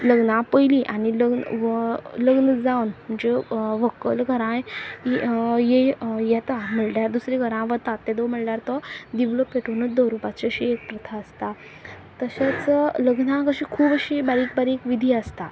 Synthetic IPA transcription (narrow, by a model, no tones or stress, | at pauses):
ləɡnãpəjliʔaniləɡn | ləɡnəd͡zaʋwnm̤əɳd͡zeʋəkːəlɡʱəɾã | jejɛt̪am̤əɭʈjaɾd̪usɾiɡʱəɾãʋət̪at̪ːed̪om̤əɭɳjaɾt̪ɔd̪iʋləpːeʈonət͡sd̪ɔɾupat͡ɕeəɕiek̚pɾət̪ʰaəst̪a | t̪əɕat͡sləɡnãkəɕikʰuːbəɕibaɾiːk̚baɾikʋid̪ʱiəst̪a